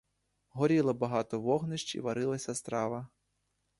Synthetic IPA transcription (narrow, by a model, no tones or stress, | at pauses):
ɦɔɾʲilˠɐbɐɦɑt̪ɔʋɔɦnɪʃt͡ʃḭʋɐɾɪlˠɐsʲɐst̪ɾɑʋɐ